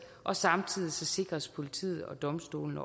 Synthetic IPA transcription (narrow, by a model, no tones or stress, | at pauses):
ʔɒ̽sɑ̈mt͡sʰið̰ˠisɒ̽se̝ɡ̥ʁɐspʰo̝lit͡sʰḭːð̞̩ˠɒ̽d̥ɒ̽msd̥o̝̰ːln̩ɒ